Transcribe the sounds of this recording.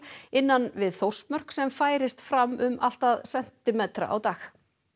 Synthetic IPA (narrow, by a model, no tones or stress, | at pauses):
ɪnːanvɪðθowr̥smœr̥ksɛmfaːjɾɪst̪fɾamːʏmal̥t̪aðsɛn̥t̪ɪmɛt̪ɾa̰ʔa̰wt̪aːx